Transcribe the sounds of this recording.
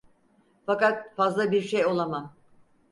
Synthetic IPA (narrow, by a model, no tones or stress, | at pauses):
fakat̪̚fazlˠabiɾʃejo̞lˠamam